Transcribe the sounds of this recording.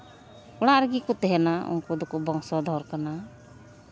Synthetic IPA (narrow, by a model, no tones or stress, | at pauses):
uɽ̃aɾɡikɔt̪ɛɦɛnaṵŋkud̪ɔkɔbɔŋsɔd̪ʱɔɾkana